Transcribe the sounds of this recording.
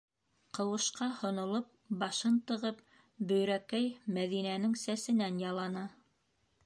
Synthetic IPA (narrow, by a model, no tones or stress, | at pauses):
qɤ̆wɤ̆ʃqɑhŏnŏlˠɤp̚bɑʃɤnt̪ɤ̆ʁɤp̚ | bɵ̆jɾækæjmæðinænɘŋsæsɘ̆nænjɑlˠɑnɑ